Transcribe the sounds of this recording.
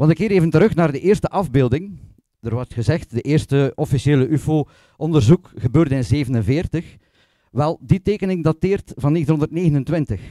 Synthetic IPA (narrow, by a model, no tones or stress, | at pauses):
ʋɑntəkːɪːɾeːvəntəɾɵxnaːrdəʔɪːrstəʔɑvbeːlˠdɪŋ | d̥ərʋɔrtxəzɛxtdəʔɪːrstəɔfiseːləʔyfoː | ʔɔndərzukɣəbøːrdəɪnzeːvənənvɪːrtəx | ʋɛlˠditeːkənɪŋdatɪːrtvɑnːeːxtənɦɔndərtneːɣənəntwʋɪntəx